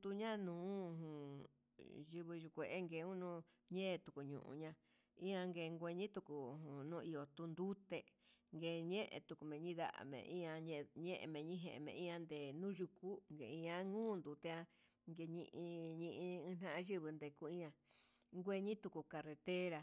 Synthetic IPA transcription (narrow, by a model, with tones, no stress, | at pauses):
d̪u˧ɲã˦nũː˨˦˧hũ˨ | ʒɨ˧βɨ˧ʒu˧kʷe˨ʔe˦ŋɡe˧˨˦ũ˦nũ˦ | ɲẽː˦˧t̪u˧˨ku˨ɲṵ̃˧˨ʔṵ̃˧ɲã˧ | ĩ˦ã˧ŋɡe˧˨˧ŋɡʷe˧ɲĩ˦t̪u˧ku˨ɦũ˨nũ˦˧i˧o˨t̪u˧nd̪u˦t̪e˧ŋɡe˧˨ɲẽ˦ʔt̪u˧ku˧˨mẽ˨ɲĩ˦ða̰˦ʔa̰˨mḛ̃˧ʔĩ˦ã˧ɲ˧ɲẽ˦ʔḛ˧mẽ˨ɲĩ˦ɦḛ̃˧˨mḛ̃˧ʔĩ˦ã˧nd̪e˨nũ˦ʒu˧ku˦ŋɡḛ˨ĩ˧ã˦ŋũː˦˨nd̪u˨t̪e˧a˧ | ŋɡe˧ɲḭ̃˧ʔĩ˧ɲĩ˧ʔĩ˧ɨ̃˧n̥ã˦ʔã˧ʒɨ˦βɨ˧nd̪e˧ku˦ĩ˦ã˧ | ŋɡʷe˧ɲĩ˦t̪u˧ku˧˨ka˧re˧t̪e˦ɾa˧